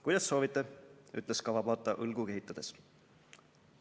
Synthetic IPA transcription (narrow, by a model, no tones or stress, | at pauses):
kujd̪̥ɑsːo̞ːvit̪ːˑe̞y̰t̪ːˑleskɑvɑbɑːt̪ːˑɑʔɤlɡ̥uke̞ɦit̪ːˑɑd̪̥e̞s